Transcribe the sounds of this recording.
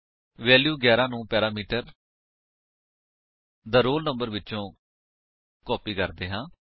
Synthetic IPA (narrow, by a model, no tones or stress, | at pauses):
ʋɛːljuːɡɛːɾãːnũːpɛːɾaːmiːʈəɾ | d̪aːɾoːlnəmbəɾʋɪtːʃõː | kɔːpiːkəɾd̪eːɦãː